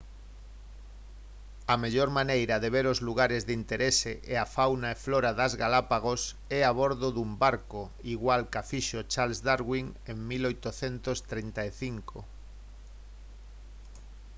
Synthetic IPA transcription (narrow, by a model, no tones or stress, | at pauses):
ameʎoɾmanejɾaðeβeɾozluɣaɾezðint̪eɾeseʔeafawnaefloɾaðazɣalapaɣos | ɛaβ̞oɾðoðumbaɾko | iɣwalkafiʃot͡ʃalzd̪aɾɣwiŋeŋmilojt̪oθent̪ost̪ɾint̪aeθiŋko̰